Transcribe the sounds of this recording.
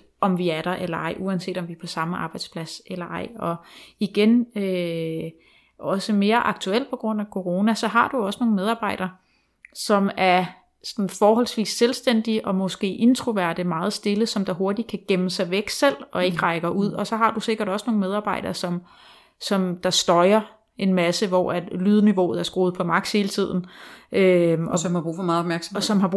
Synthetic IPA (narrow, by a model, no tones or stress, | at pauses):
ɒ̽mʋiæɐɾ̥ɑʔelɐɑ̈ɪ̰ʔuænse̝̰ːd̥ɒ̽mʋiɐpʰɒ̽sɑ̈məʔɑ̈ːb̥ɑ̈ɪd̥spʰlæselɐɑ̈ɪ̰ɒ̽iɡ̥enø | ɒ̽səme̝ːɐʔɑ̈ɡ̥̚t͡sʰuel̰̚pʰɒ̽ɡ̥ʁɔ̽n̰ækʰo̝ʁo̝ːnæsɒ̽ɦɑ̈d̥uɒ̽səno̝ːn̩meðˠɑ̈ːb̥ɑ̈ɪ̰ɾ̥ɐː | sɒ̽mæɐ | sɒnn̩fɒːɦɒ̽l̰sʋḭːsːelsd̥en̰d̥iʔɒ̽mɒ̽sɡ̥e̝̰ːʔe̝nt͡sʰʁuʋæɐd̥əmɑ̈ːð̞̩ˠsd̥e̝ləsɒ̽md̥ɑ̈ɦo̝ɐd̥i̥kʰæɡ̥eməsɑ̈ɪʋeɡ̥sel̰ɒ̽e̝ɡ̥əʁɑ̈ɪɡ̥ɐuð̞̰ˠɒ̽sɒ̽ɦɑ̈d̥use̝ɡ̥ɐɾɒ̽səno̝ːŋn̩með̞ˠɑ̈ːb̥ɑ̈ɪ̰ɾ̥ɐːsɒ̽m | sɒ̽md̥ɑ̈sd̥ɒ̽ɪɐ | e̝nmæsəʋɒæ̥lyːð̞ˠəniʋo̝̰ːð̩ˠæɐsɡ̥ʁo̝ːð̩ˠpʰɒ̽mɑ̈ɡ̥̚she̝ːlət͡sʰið̞̰ˠn̩ʔøɒmhɑ̈b̥ʁṵːfɒmɑ̈ð̩ˠɒbmæɐɡ̥smɒsɒ̽mɦhɑ̈b̥u